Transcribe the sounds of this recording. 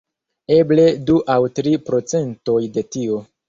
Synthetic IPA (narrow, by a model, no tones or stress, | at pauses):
eble̞duʔawtɾipɾo̞t͡se̞nto̞jde̞tio̞